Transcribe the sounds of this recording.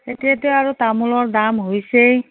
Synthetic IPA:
etijatʊaɹutamulɔɹdamɦojsej

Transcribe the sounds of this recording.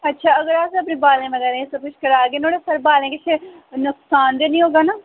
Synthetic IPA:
ətːʃʰaːəɡəɾaːseəpnẽːbaːlẽːmẽːɡɛɾẽːsəbkɪt͡ʃʰkəɾaːɡeːnoːɽeːsəɾbaːlẽːkɪt͡ʃʰ | nʊksaːnd̪eːnĩːɦoːɡaːnaː

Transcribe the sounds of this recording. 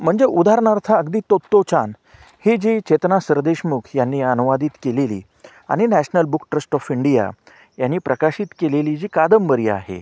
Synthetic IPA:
m̤əɳd͡zeʔud̪ʱaɾɳaɾt̪ʰaəɡd̪iːt̪ːot̪ːot͡ɕan | hed͡ʑit͡ɕet̪nasəɾd̪eɕmukʰjanːiːənuʋad̪iːt̪kelelḭː | a̰ɽ̃inæɕnəlbukʈɾəsʈɔfiɳɖija̰ | janːiːpɾəkaɕit̪keleliːd͡ʑiːkad̪əmbəɾiːa̰ɦḛ

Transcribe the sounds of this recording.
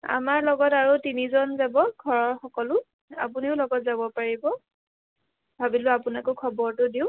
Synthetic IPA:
a̰maɹlɔɡɔtaɹutinizɔnzabɔɡʱɔɹɔɹxɔkɔlʊ | apuniʊlɔɡɔtzabɔpaɹibɔ | bʱabilʊapunakokʰɔbɔɹtʊdiʊ̃

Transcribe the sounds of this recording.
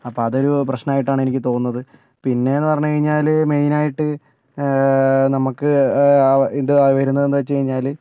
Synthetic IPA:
ɐpːoːɐðo̞ɾuprɐɕnɐnmaːjiʈːaːɳe̞nikʲːɨt̪o̞ːnunːɐðɨ | pinːe̞enːɨpɐrɐɲːukɐɻiɲːaːlme̞jnaːjiʈːɨ | nɐmukːɨ | ind̪ɨʋɐɾunːɐðe̞ndɨʋɐt͡ɕːɨkɐɻiɲːaːl

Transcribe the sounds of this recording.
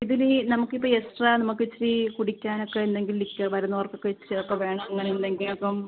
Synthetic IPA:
iðilenɐmukːipːoːesʈranɐmukːet͡ɕːɾikuɽikʲːaːno̞kːeend̪e̞ŋɡillikʲːɐʋɐɾunːɐʋɐrkːokːet͡ɕːiɾiokːɐʋe̞ːɳɐmɐŋːɐneend̪e̞ŋɡilɐpːom

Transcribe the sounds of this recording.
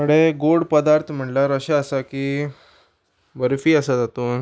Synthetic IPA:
məɽeɡoɽpəd̪aɾt̪ʰm̤əɳlaɾəɕaəsakiː | bəɾfiːəsad͡zat̪oːn

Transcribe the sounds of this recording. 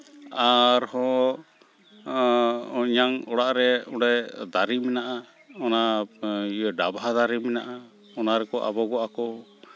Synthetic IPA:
aɾhɔ̃ | ɲaŋɔɽaʔɾɛuɽɛd̪aɾimɛnaʔa | ɔna | ɖabad̪aɾimɛnaʔa | ɔnaɾɛkɔʔa̰bɔɡɔʔakɔ

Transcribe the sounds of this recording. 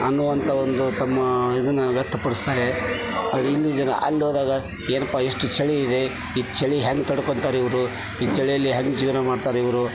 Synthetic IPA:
ɐnːuʋɐnt̪ʰɐond̪ut̪ɐmːɐid̪ɐnːɐʋjɛt̪ʰːɐpɐɽist̪aːɾe | ɐd̪ɾuilːid͡ʒɐnɐ̰ʔɐ̰lːɦoːd̪aːɡɐ | eːnɐpːaːeʂʈut͡ʃɐɭiid̪e̞ | it͡ʃɐɭiɦeŋɡ̚t̪ɐɽkoɳt̪aːɾeiʋɐɾu | iːt͡ʃɐɭijɐlːiɦɐŋɡd͡ʒiʋɾɐmaːɖt̪aːɾeiʋɐɾu

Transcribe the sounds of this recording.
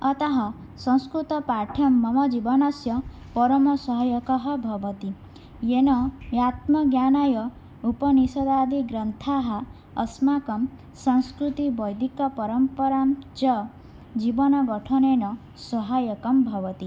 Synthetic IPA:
ɔt̪ɔɦɔ | sɔ̃ŋskɾut̪ɔpaʈʰɔmːɔmɔd͡ʒibɔnɔsjɔ | pɔɾɔmɔsɔɦɔjɔkɔɦɔbʱɔbɔt̪i | jenɔjat̪mɔɡjanajɔ | upɔnisɔd̪ad̪ʱiɡɾɔnt̪ʰaɦaː | smakɔm | sɔŋskɾut̪ibɔjd̪ʱikɔpɔɾɔmpɔɾamt͡ʃɔ | d͡ʒibɔnɔɡɔʈʰɔnenɔ | sɔɦajɔkɔmbʱɔbɔt̪i

